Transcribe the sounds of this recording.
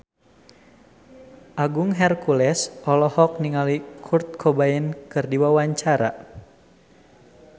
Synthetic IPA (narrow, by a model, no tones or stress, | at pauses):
ʔaɡuŋɦɛrkulɛsʔɔlɔhɔk̚niŋalikʰurt̪̚kʰɔbaɛnkɨrdiwawaɲt͡ʃaɾa̰